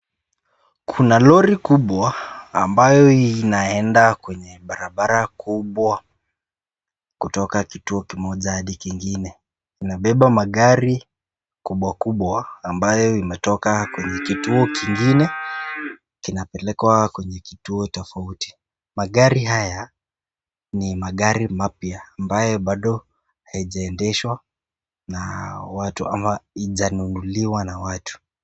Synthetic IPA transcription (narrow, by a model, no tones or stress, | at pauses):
kʰunalɔɾikuɓwa̰ːmbajɔinaɛndakwɛɲɛɓaɾaɓaɾakʰuɓwa | kutɔkakituɔkimɔʄahaɗikiŋɡinɛ | inaɓɛɓamaɠaɾi | kuɓwakuɓwaːmbajɔimɛtɔkakwɛɲɛkituɔkiŋɡinɛ | kinapɛlɛkwakwɛɲɛki̥tuɔtɔfauti̥ | maɠaɾiɦaja | nimaɠaɾimapiaːmbajɔɓaɗɔ | haiʄaɛndɛʃwa | nawatuʔamaiʄanunuliwanawatu̥